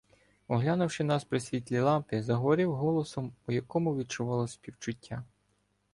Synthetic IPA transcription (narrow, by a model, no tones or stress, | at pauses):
ɔɦlʲanʊwʃɪnɑspɾɪsʲʋʲit̪ʲlʲilˠɑmpɪzɐɦɔʋɔɾɪwɦɔlˠɔsɔmɔjɐkɔmʊʋʲid̪̚t͡ʃʊʋɑlˠɔsʲpʲiwt͡ʃʊtʲːa